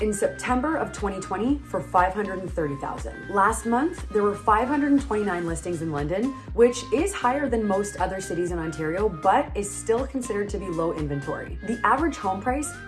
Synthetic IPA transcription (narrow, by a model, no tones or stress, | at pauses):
ɨ̃nsɛp̚tʰɛ̃mbə˞ʔʌv̥tʰw̥ɛ̃ɾ̃itʰw̥ɛ̃ɾ̃ifə˞faɪv̥hʌ̃ndəɾn̩θɜ˞ɾiθa̰ʊzɨ̰̃nd̥læst̚mʌ̃nθðə˞wə˞faɪv̥hʌ̃ndɹɨɾn̩tʰw̥ɛ̃ɾ̃inãɪ̃nlɪstɪ̃ŋzɨ̃nlʌ̃ndɨ̃n | wɪt͡ʃɪz̥haɪə˞ðɨ̃nmoʊstʌðə˞sɪɾizɨ̃nɑ̃ntʰɛɹioʊbʌɾɪz̥stɪlˠkʰn̩sɪɾə˞d̚tʰɨbiloʊʔɪ̃ɱvɨ̃ntʰɔ̰ɹḭðiʔævə˞ɨʒ̥hõʊ̃mpʰɹ̥aɪs